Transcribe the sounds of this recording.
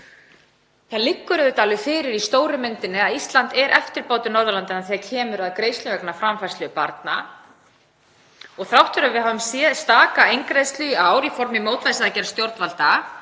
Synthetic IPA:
θalɪkːʏɾʏðʏt̪aːlʏfɪːɾɪɾist̪oːwɾʏmɪnt̪ɪnɪaðist̪lant̪ɛɾʔɛ̰ft̪ɪɾpoːwt̪ɪnɔɾðʏlant̪ɪnaθiacʰɛːmʏɾaðkɾeːjslʏvɛknafɾamfaj̥slʏʏpaɾt̪̚na̰ | ɔɣθɾawht̪vʏɾavɪðɦavʏmsɛðst̪aːkaejŋkɾejðst̪lʏawɾifɔɾmɪmoːwt̪vajsɪðacɛːɾast̪jowɾt̪val̥t̪a

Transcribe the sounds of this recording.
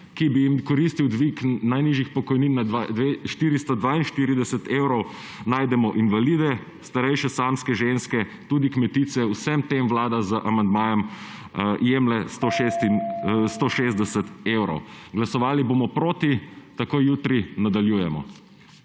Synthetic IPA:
kibijimkɔɾist̪iwd̪ʋiknajniʒixpɔkɔjninːad̪ad̪ʋeʃt̪iːɾist̪ɔd̪ʋaːinʃt̪iːɾid̪ɛsət̪ewɾɔw | naːjd̪ɛmɔʔinʋalid̪ɛ | st̪aɾɛjʃɛsamskɛʒenskɛt̪uːd̪ikmɛt̪iːt̪sɛwsɛmt̪emʋlaːd̪azəʔamand̪maːjɔm | jemlɛst̪oʃest̪inst̪oʃezd̪ɛsət̪ewɾɔ̰wɡlasɔʋaːlibomɔpɾoːt̪it̪akoːjjuːt̪ɾinad̪aljuːjɛmɔ̰

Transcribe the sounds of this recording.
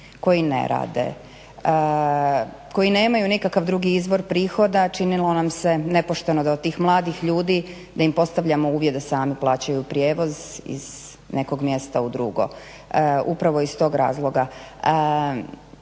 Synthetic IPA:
ko̞jinḛɾa̰ːd̪e̞̰ | ko̞jine̞ːmajunikakaʋd̪ɾuɡiizʋo̞ɾpɾiːxo̞d̪at͡ʃinilˠo̞namse̞ne̞po̞ʃt̪e̞no̞d̪aot̪ːiːxmlˠaːd̪ixʎuːd̪i | d̪aimpo̞st̪aʋʎamo̞uːʋjed̪asaːmiplˠaːt͡ɕajupɾjeːʋo̞zḭz̥ | ne̞ko̞ɡmje̞st̪aud̪ɾuɡo̞̰ | upɾaʋo̞ist̪o̞ːɡɾa̰ːzlˠo̞ɡa

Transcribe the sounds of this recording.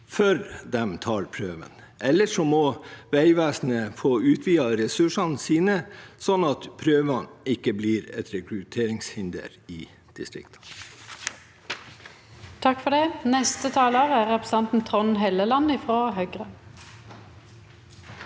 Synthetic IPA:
fœɾd̪ɛmt̪ʰɑːɾpʰɾøːʋə̰n | ʔɛlːəʂɔmɔʋæɪʋæːsn̩əfoːʉːt̪ʰʋiːɑɾɛsʉʂɑnsiːnəsɔnɑt̪pʰɾøːʋɑnɪkːəbliːɾɛ̰t̪ɾɛkɾʉt̪ʰeːɾɪŋshɪnd̪ə̰ɾɪː | d̪̥ɪst̪ɾɪ̰kt̪ʰɑ̥ | t̪ʰɑkfɔʁd̪ɛnɛst̪ət̪ʰɑːloːʁəæʁɛpʁsɛnt̪n̩t̪ʰʁɔnɦeːləlɑnəɪfʁoːɦœɡʁə

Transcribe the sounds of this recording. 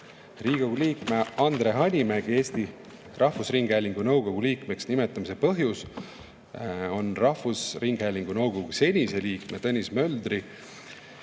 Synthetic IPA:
riːɡ̥oɡ̥uliːkme̞ɑnd̪̥re̞ɦɑnʲimæɡ̥e̞ːst̪i | rɑhvusriŋɡ̥hæjlʲiŋɡ̥unɤwɡ̥o̞ɡ̥uliːkme̞ksnimet̪ːˑɑmise̞pɤɦjus | o̞nrɑhvusriŋɡ̥hæjlʲiŋɡ̥unɤwɡ̥o̞ɡ̥use̞nʲise̞liːkme̞t̪ɤnʲismø̞ld̪ri

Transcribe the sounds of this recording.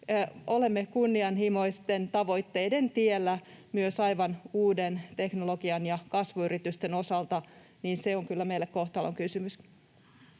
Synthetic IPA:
ole̞mːekunːiɑnhimo̞ist̪ent̪ɑʋo̞jt̪ːe̞jde̞nt̪ielːæmyøsɑjʋɑnuːdent̪e̞knolo̞ɡ̥iɑnjɑkɑsʋuyrit̪yst̪eno̞sɑlt̪ɑ | niːnse̞oŋkylːæmejlːekko̞ht̪ɑloŋkysymys

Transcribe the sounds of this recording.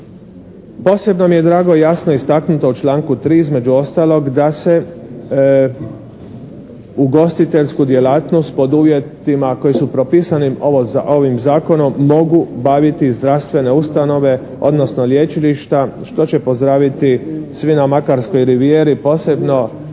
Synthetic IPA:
po̞ːse̞bnomije̞d̪ɾaːɡo̞jasno̞ist̪aknut̪o̞ut͡ʃlaːŋkut̪ɾiːizme̞d͡ʒuost̪aːlo̞ɡd̪ase̞ | uɡo̞st̪it̪e̞ʎʲskud̪je̞laːt̪nost̪̚po̞d̪uːʋje̞t̪imako̞jisupɾo̞piːsanimoozao̞ʋimzaːko̞no̞mːo̞ɡubaʋit̪izd̪ɾaʋst̪ʋe̞ne̞ust̪ano̞ʋe̞ | o̞̰d̪no̞sno̞ljet͡ʃiliʃt̪aʃt̪o̞t͡ɕe̞po̞zd̪ɾaːʋit̪isʋinamakaɾsko̞jɾiʋijeːɾipo̞ːse̞bno̞

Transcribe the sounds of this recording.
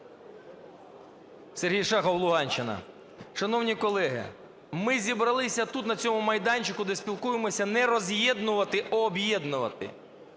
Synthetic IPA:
serɦijʃɑxɐwlˠʊɦɑnʲt͡ʃɪnɐ̰ | ʃɐnɔwnʲikɔlˠɛɦɪ̰ | mɪzʲibɾɐlˠɪsʲɐt̪ut̪nɐt͡sʲɔmʊmɐjd̪ɑnʲt͡ʃɪkʊd̪ɛsʲpʲilˠkujɪmɔsʲɐnɛɾɔzʲjɛd̪nʊʋɐt̪ɪʔɐːbjɛd̪nʊʋɐt̪ɪ̰

